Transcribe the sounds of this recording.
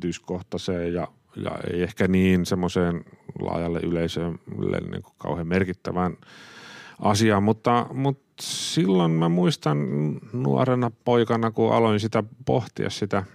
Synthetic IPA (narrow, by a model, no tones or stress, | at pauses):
t̪yskoht̪ɑseːjjɑ | jɑ̰ḛiehkæniːnsemːoseːnlɑ̰jɑlːḛʔyleisøːmlːḛnnḭːŋku̥kɑ̰uhemerkit̪ːæʋæn | ʔɑsiɑːmmut̪ːɑmut̪silːonmæmuist̪ɑnnṵɑ̰renɑpoikɑnɑkuʔɑ̰loinsit̪æpoht̪ḭɑ̰ssit̪æ